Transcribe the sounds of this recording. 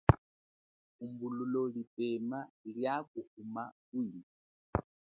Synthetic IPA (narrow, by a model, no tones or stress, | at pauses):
kumbululɔlipɛmaljakuhumakuni